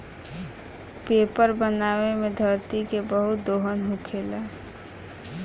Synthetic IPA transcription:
pepəɾbənawemed̪ʱəɾt̪ikebəɦut̪̚d̪oɦənɦũkʰela

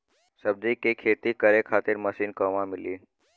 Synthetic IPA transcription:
səb̚d͡ʒikekʰeːt̪ikəɾekʰaːt̪ɪɾməsiːnkɔʋãmɪliː

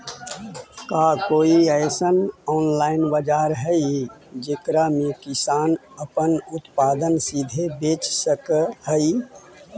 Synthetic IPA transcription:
kaːkoːiəɪsənɔːnlaːɪnbəd͡ʒaːɾɦɛid͡ʒekɾamẽkɪsaːn | əpənʊt̪paːd̪ənsid̪ʱebeːt͡ʃsəkhəi

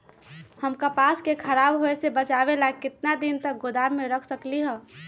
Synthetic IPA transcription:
həmkəpaskekʰəɾabɦoesebət͡ʃabelakɪt̪nad̪int̪ək̚ɡʊd̪aɾːeɾəkʰsəkliɦə̃

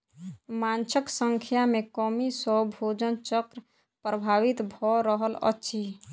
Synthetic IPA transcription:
mant͡ʃəksəŋkʰjamekɔmisəbʱod͡ʒənt͡ʃəkɾ | pɾəbʱaːʋit̪bʱɔɾəɦələ̰tːʃʰi

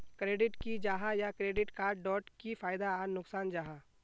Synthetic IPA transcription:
kɾeːɖɪʈkid͡ʒaːɦajakɾeːɖɪʈkaːɾɖɔːʈkifʰaːɪd̪aːnʊksaːnd͡ʒaːɦa

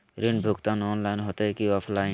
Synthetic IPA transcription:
ɾinbʱukt̪ãnɔːnlaɪnɦot̪ekiapʰlaj

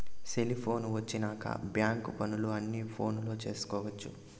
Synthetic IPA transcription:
selipʰo̞ːnʋɐt͡ʃːinaːkɐ̰bjaːŋkupɐnuluɐnːipʰo̞ːnlo̞ːt͡ʃe̞ːsu̥kɔːʋɐt͡ʃːu

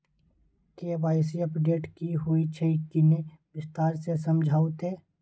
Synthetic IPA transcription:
kebaːɪsiɐpɖeːʈkiɦuit͡ʃʰɛkɪnebɪst̪aːɾsesəmd͡ʒʱaːʊt̪ɦɛː

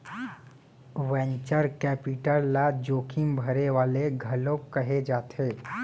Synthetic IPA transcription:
ʋɛ̃ɲt͡ʃəɾkɛːpiʈəlːad͡ʒoːkʰɪmbʱəɾeʋaːleɡʱɐlop̚kəɦed͡ʒaːt̪ʰeː

